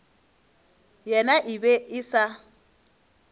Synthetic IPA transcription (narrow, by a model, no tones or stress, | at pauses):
jɛnaʔɪbɛɪsa